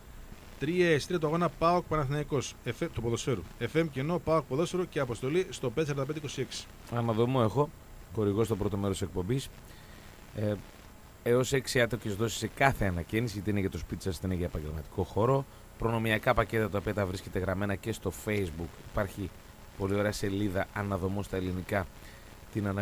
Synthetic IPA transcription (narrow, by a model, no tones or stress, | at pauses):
t̪ɾiɐest̪ɾiɐt̪oɐɣo̞nɐpɐook̚pɐnɐθnɐiko̞sefet̪upoðo̞sfe̞ɾuefemceno̞pɐok̚poðo̞seɾuceɐpo̞st̪o̞list̪o̞peeseɾɐnd̪ɐed̪eiko̞sie̞ksi̥ | ɐmɐðo̞mue̞xo̞ | xo̞ɾiɣo̞st̪o̞pɾo̞t̪o̞me̞ɾost̪isek̚po̞mbis | eo̞se̞ksiɐt̪eocezðo̞si̥se̞kɐθe̞ɐnɐcenisiʝɐt̪iineʝɐt̪o̞spit̪i̥sɐst̪ineʝɐepɐɲɟelmɐt̪i̥ko̞xo̞ɾo̞ | pɾo̞no̞miɐkɐpɐce̞t̪ɐt̪ɐoiɐt̪ɐvɾisce̞t̪eɣɾɐme̞nɐce̞st̪o̞fe̞izbukipɐɾçi | po̞lio̞ɾe̞ɐse̞liðɐɐnɐðo̞most̪ɐe̞linikɐ | t̪inɐn